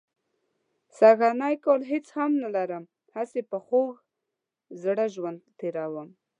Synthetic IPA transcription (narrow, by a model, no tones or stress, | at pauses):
saɣanɑjkolɦet͡shamnalaɾəm | hasepəxoɣ | zɽəʒwand̪̚t̪eɾawəm